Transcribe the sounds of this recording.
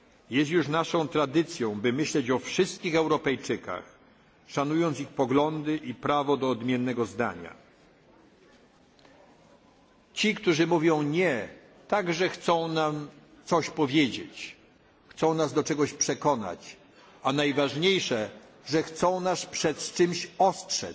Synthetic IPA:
jɛst̪juʂnaʂɔ̃w̃t̪ɾad̪ɘt̪sʲjɔ̃w̃bɘmɘɕlɛt͡ɕɔfʂɘst̪̚kʲixɛwɾɔpɛjt͡ʂɘka̰x | ʂanujɔnt̪sixpɔɡlɔnd̪ɘʔipɾavɔd̪ɔːd̪mʲjɛnːɛɡɔzd̪a̰ɲa̰ | t͡ɕikt̪uʐɘmuvʲjɔ̃w̃ɲɛ | t̪aɡʐɛxt̪sɔ̃w̃nam | t̪sɔɕpɔvʲjed͡ʑḛt͡ɕ | xt̪sɔ̃w̃nazd̪ɔt͡ʂɛɡɔɕpʂɛkɔna̰t͡ɕ | anajvaʐɲejʂɛ | ʐɛxt̪sɔ̃w̃naspʂɛt̪t͡ʂɘmɕɔstʂɛ̰

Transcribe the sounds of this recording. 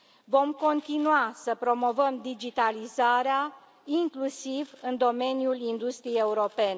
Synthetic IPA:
vo̞mko̞nt̪inuasəpɾo̞mo̞vəmd̪id͡ʒit̪alizaɾea | iŋklusivɨnd̪o̞me̞njulind̪ust̪ɾijeje̞uɾo̞pe̞ne

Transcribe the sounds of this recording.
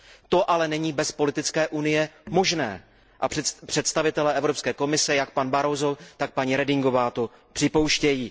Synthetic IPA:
t̪o̞ʔalɛnɛɲiːbɛspo̞lɪt̪ɪt͡skɛːʔunɪjɛmo̞ʒnɛ̰ː | ʔapr̝̥ɛt̪st̪avɪt̪ɛlɛɛvɾopskɛːko̞mɪsɛjakpanbaɾozot̪ak̚paɲiːɾɛdɪŋɡo̞vaːt̪o | pr̥ɪpo̞wʃcɛjiː

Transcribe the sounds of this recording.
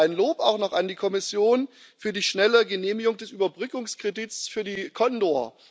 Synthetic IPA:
ɪnloːpaʊxnɔχandiːkʰɔmɪsjoːn | fyːɐdiːʃnɛləɡəneːmɪɡʊŋd̥ɛsʔyːbɐbʁʏkʊŋskʁ̥ediːtsfyːɐdiːkʰɔndoɐ̰

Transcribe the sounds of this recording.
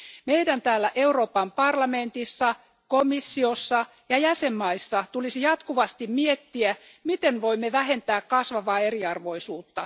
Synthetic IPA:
mejdænt̪æːlːæʔe̞uɾoːpɑmpɑrlɑment̪isːɑ | komisːiosːɑ | jɑjæsemːɑisːɑt̪ulisijɑt̪kuʋɑst̪immiet̪ːiæmit̪enʋoimːeʋæɦent̪æːkkɑsʋɑʋɑːe̞riɑrʋo̞isuːt̪ːɑ

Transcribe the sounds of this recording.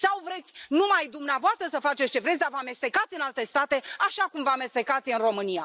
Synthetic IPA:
sawvɾe̞t̪sʲnumajd̪umneavoast̪ɾəsəfat͡ʃet̪st͡ʃevɾet̪sʲd̪avəame̞st̪e̞kat̪sʲɨnalt̪e̞st̪at̪e̞aʃakumvəame̞st̪e̞kat̪sʲɨnro̞mɨnija

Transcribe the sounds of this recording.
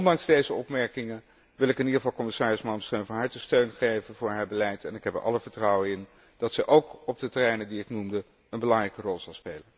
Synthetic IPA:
ɔndɑŋzdejzəɔpmɛɹkɪŋən | ʋɪlˠɪkɪnidəχəvɑlˠkɔmɪsaːrɪsmɑmstønvɑnɦaɹtəstøɥnχejvənvʊːɹɦaːɹbəlɛjtɛnɪkɦɛpəʔɑ̰ləvəɹtrɑwəɪn | d̥ɑtsɛjʔowkɔb̚dətɛrɛjnədiɪknumdə | ənbəlɑŋrɛjkərɔlˠz̥ɑlˠspejlən

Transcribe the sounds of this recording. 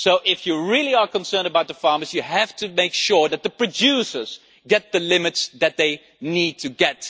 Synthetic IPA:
soʊʔɪfjɨɹɪlˠiə˞kə̃nsɜ̃˞ndəbaʊt̪̚ðəfɑɹmə˞zjɨhæftʰɨmeɪkʃʊɹðɨt̪̚ðəpɹ̥ɨdusə˞z̥ | ɡɛt̪̚ðɨlɪmɨtsðɨt̪̚ðeɪ | nid̚tʰɨɡɛt̚

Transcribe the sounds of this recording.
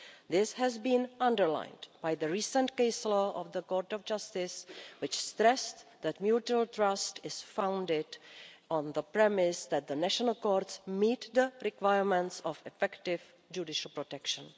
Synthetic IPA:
ðɪsɦɛzbĩnãndəɹlã̰ɪ̃ndb̥ajðəɹiːsə̃ntkeɪsloʔɔvðəkoːɹtɔfd͡ʒastɪswɪt͡ʃstɾɛsðɛtmjutuəlt̪ɾastɪsfãw̃ndɪdɔ̃nðəpɹɛmɪsðɛt̪̚ðənæʃɔnəlˠkoːɾtsmiːt̪ðəɾɪkwajəɹmɛ̃ntsɔfɛfɛktɪv | d͡ʒudɪʃəl̩ˠpɾotɛkʃə̃n

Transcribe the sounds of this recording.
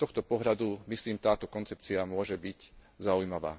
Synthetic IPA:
t̪ɔxt̪ɔpɔɦʎad̪umisliːmt̪aːt̪ɔkɔnt͡sɛp̚t͡siamʊɔʒɛbic | zaujmaʋa̰ː

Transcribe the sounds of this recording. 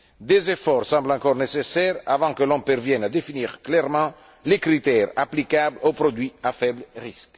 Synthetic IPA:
d̪ezefɔʁsɑ̃mblɑ̃ŋkɔʁnesesɛʁa̰vɑ̃kəlɔ̃mpɛrvjɛnad̪efiniːʁklɛʁmɑ̃ | lekɾit̪ɛʁa̰plikablopɾod̪wiafɛbləʁisk

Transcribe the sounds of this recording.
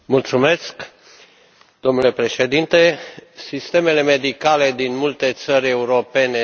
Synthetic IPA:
mult̪sume̞sk | d̪̥o̞mnule̞pɾe̞ʃe̞d̪int̪e̞sist̪e̞me̞le̞me̞d̪ikale̞d̪inmult̪e̞t̪səɾʲe̞uɾo̞pe̞ne

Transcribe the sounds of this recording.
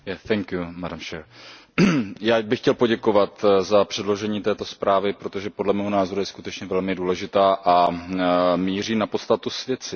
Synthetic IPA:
jɛθɛŋkjumadamt͡ʃɛːɾ | jaːbɪxcɛlpo̞ɟɛko̞vat̪zapr̝̥ɛdlo̞ʒɛɲiːt̪ɛːt̪o̞spɾaːvɪpɾo̞t̪o̞ʒɛpo̞dlɛmɛːɦo̞naːzo̞ɾujɛskut̪ɛt͡ʃɲɛvɛlmɪduːlɛʒɪt̪aːʔa | miːr̝iːnapot̪st̪at̪usvjɛt͡sɪ

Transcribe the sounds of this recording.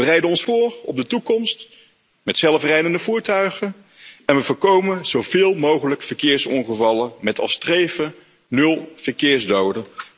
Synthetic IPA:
ərɛjdənɔnsfʊːrɔb̚dətukɔmst | mɛtsɛlˠfrɛjdəndəvuːɹtœɥχən | ɛnʋəvʊːɹkowmənz̥owvɪːlˠmowχələkfəɹkɪːɹsɔŋχəvɑləmɛtɑ̰strejvə | nɵlˠv̥əɹkɪːɹzdowdə

